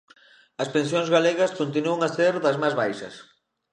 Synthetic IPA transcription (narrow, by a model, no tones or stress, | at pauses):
ɐspẽnsjoŋzɣaleɣɐskont̪̬inuɐŋaseɾðɐzmazβajʃɐ̰s